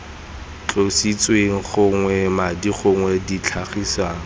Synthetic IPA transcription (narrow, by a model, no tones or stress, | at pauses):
t͡ɬʼosit͡sʼweŋ̩χʊŋwɛmadiχʊŋwɛdit͡ɬʰaχisaːŋ̩